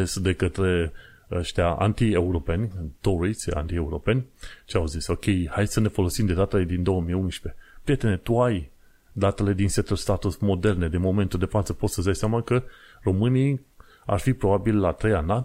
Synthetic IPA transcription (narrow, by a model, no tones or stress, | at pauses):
esd̪e̞kət̪ɾe̞ | əʃt̪eaʔa̰nt̪ieuɾo̞pe̞nʲt̪oɾisʲa̰nt̪ieuɾo̞pe̞nʲt͡ʃeawziso̞kʲe̞jhajsəne̞fo̞lo̞simd̪e̞d̪at̪ele̞d̪ind̪o̞wəmijunʃpe̞pɾije̞t̪e̞ne̞t̪uaj | d̪at̪e̞le̞d̪inset̪olst̪at̪usmo̞d̪e̞rne̞d̪inmo̞me̞nt̪uld̪e̞fat̪səpo̞t̪səzd̪ajsɪamakə | ro̞mɨnij | a̰rfipɾo̞babilːat̪ɾe̞jana